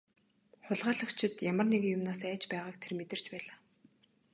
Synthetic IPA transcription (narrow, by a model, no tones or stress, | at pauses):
χʊɮʁaːɮə̆kt͡ɕʰɪ̆t̪jamə̆rnekjʊmnaːsæːt͡ɕpæːʁaːkt̪ʰermet̪ɘ̆r̥t͡ɕpæːɮaː